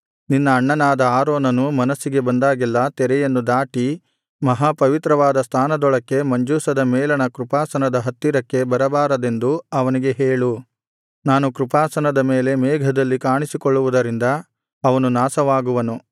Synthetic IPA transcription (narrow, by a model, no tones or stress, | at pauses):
ninːɐːɳːɐnaːd̪ɐaːɾɔːnɐnumɐnɐsːiɡe̞bɐnd̪aːɡilːɐt̪ɛɾɛjɐnːud̪aːʈi | mɐɦaːpɐʋit̪ɾɐʋaːd̪ɐst̪ʰaːnɐd̪ɔɭɐkːe̞mɐɲd͡ʒuːsɐd̪ɐmɛːlɐnɐkɾupaːsɐnɐd̪ɐɦɐt̪ːiɾɐkːe̞bɐɾɐbaːɾɐd̪e̞nd̪uɐʋɐniɡe̞ɦeːɭu | naːnukɾupaːsɐnɐd̪ɐmeːle̞mɛːɡʱɐd̪ɐlːikaːɳisikɔɭːuʋud̪ɐɾind̪ɐː | ʋɐnunaːsɐʋaːɡuʋɐnu